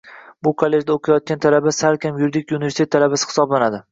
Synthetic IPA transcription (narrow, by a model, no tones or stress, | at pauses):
bʊkʰolˠːed͡ʒd̪aoqʰɑjɒt̪̚ʲant̪ʰalabasaɾkʲʰamjʊɾɪd̪ɪkʲunɪvʲest̪ʰe̞t̪ːʰalabasɪhɪ̥sɒblanad̪ɪ